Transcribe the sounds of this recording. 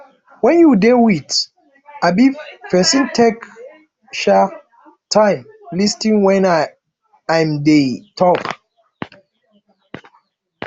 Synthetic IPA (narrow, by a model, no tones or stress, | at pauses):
wɛ̃njudewit | abifɛsĩntʰek | ʃa | tʰãjm | listĩŋwɛ̃na | ãjmdetʰɔk